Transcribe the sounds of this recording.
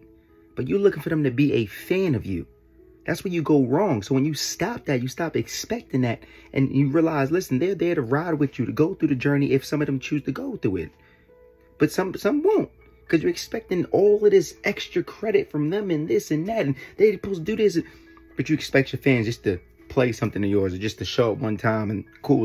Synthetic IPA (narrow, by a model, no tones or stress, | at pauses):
b̥ʌt͡ʃə˞lʊkɪ̃ŋfə˞ðɨ̃mtɨbiʔɨfæ̃nʌvjʉ̰ | ðætswə˞jɨɡoʊɹɔ̃ŋsoʊwɨ̃njɨstɑp̚ðɨt͡ʃɨstɑpɨkspɛk̚tɪ̃ŋðɨɾʔɨ̰̃njɨɹiəlaɪzlɪsn̩ðə˞ðə˞ɾɨɹaɪd̚wɨðjɨɾɨɡoʊθɹʉðɨd͡ʒɜ˞niʔɪfsʌ̃mʌvðɨ̃mt͡ʃʰʉztʰɨɡoʊɾɨɪ̰t̚ | b̥ʌtsʌ̃msʌ̃mwõʊ̃nt̚ | kʰʌzjə˞ɨkspɛk̚tɪ̃ŋɔlˠʌvðɪsʔɛkstɹ̥ɨkʰɹ̥ɛɾɨtfɹʌ̃mðɨ̃mɨ̃nðɪsɨ̃nðɨɾɨ̃n̩ðeɪpʰoʊdɨðɪs̬ɨ | b̥ʌt͡ʃɨɨkspɛk̚t͡ʃə˞fæ̃nzd͡ʒʌstʰɨ | pʰl̥eɪsʌ̃mθɪ̃ŋɨjɔɹzə˞d͡ʒʌstʰɨʃɑp̚wʌ̃ntʰãɪ̃mɨ̃n | kʰu